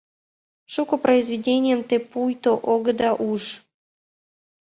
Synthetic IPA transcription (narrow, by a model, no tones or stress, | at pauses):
ʂukopɾʔəɪzvʲɪdʲenʲɪjəmt̪epujt̪oʔoɡəd̪ɑʔuʂ